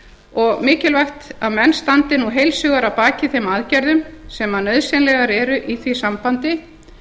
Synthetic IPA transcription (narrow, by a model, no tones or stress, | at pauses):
ɔɣmɪːcɪlvajxt̪aðmɛnːst̪ant̪ɪnːuɦejlsʏːɣaɾapaːcɪθejmaðcɛɾðʏmsɛmanœðsɛnlɛɣaɾɛɾʏʔiθvisampant̪ɪ